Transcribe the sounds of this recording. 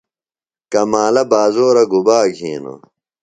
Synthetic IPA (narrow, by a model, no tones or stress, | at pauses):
kɐmaːlɐbaːzoːɾɐɡubaːɡʱiːno̰